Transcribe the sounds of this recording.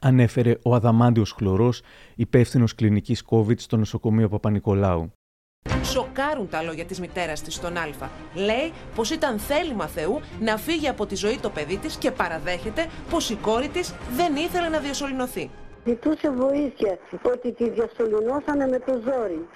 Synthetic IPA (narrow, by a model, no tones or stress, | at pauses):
ɐne̞fe̞ɾe̞ʔoɐðɐmɐnd̪io̞sxlo̞ɾo̞s | ipe̞fθino̞sklinicisko̞vit̪st̪o̞no̞so̞ko̞mio̞pɐpɐniko̞lɐu | so̞kɐɾunt̪ɐlo̞ʝɐt̪izmit̪e̞ɾɐst̪ist̪o̞nɐlfɐle̞ipo̞sit̪ɐnθe̞limɐθe̞unɐfiʝeɐpo̞t̪izo̞it̪o̞pe̞ðit̪isce̞pɐɾɐðe̞çe̞t̪e̞po̞siko̞ɾit̪izðe̞niθe̞le̞nɐðiɐso̞lino̞θizit̪use̞vo̞iθçɐot̪it̪iðjɐso̞linoθɐnemet̪ozoɾi